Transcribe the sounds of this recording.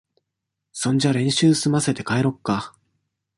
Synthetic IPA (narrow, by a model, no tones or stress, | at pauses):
sõ̞ɲ̟d͡ʑaɾẽ̞ɰ̃ɕɨːsɨmase̞t̪e̞kaeɾo̞kːa